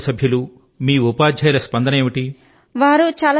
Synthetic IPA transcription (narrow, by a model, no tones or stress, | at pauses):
sɐbʱjɐlu | miːupaːd͡ʒʱɐjɐlɐspɐnd̪ɐneːʋiʈi | ʋaːɾut͡ʃaːla